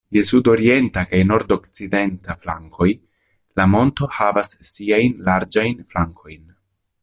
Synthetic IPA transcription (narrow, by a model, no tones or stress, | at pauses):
jesudo̞ɾie̞ntakajno̞ɾdo̞kt͡side̞ntafla̰ŋkʰo̞j | lamo̞nto̞havasːiajnlaɾd͡ʒajnflaŋkʰo̞jn